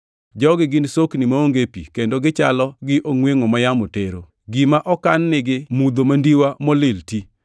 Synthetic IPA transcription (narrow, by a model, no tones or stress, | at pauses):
d͡ʒɔɡɪɡɪnsoknɪmaoŋɡepḭkendoɡɪt͡ʃa̰lɔɡɪʔoŋweŋomajamoteɾo | ɡimaʔɔkanːɪɡɪmud̪omandiwamɔlɪlti